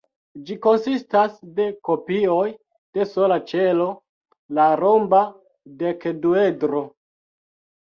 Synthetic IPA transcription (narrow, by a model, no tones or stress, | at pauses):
d͡ʒiko̞nsistasde̞ko̞pio̞j | d̥e̞so̞lat͡ʃe̞lo̞ | laɾomba | dekduedɾo̞